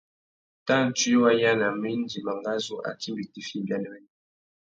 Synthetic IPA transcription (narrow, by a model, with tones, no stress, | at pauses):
ta˦˨n̩˨t͡ʃi˦wa˦ja˦na˨mi˦n˦di˨ma˨ŋɡa˦zo˦ʔa̰˨ti˦mbi˨ti˨fi˦˨bja˦nɛ˦mɛ˦n˦